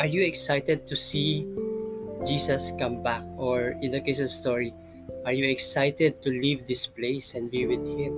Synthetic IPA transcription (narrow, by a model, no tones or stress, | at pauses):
ʔaɹjuɛksajt̪ɛd̪̚t̪usi | d͡ʒisɐskʌ̃mbak̚ɔɹɪ̃nd̪ɨkeʃɔ̃nst̪ɔɹi | ʔaɹjuɛksajt̪ɛd̪̚t̪ulivd̪ɪspleɪsɛ̃nbiwɪd̪̚hɪ̃m